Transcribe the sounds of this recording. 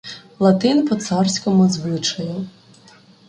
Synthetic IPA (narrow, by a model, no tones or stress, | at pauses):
lˠɐt̪ɪnpɔt̪sɑrsʲkɔmʊzʋɪt͡ʃɐjʊ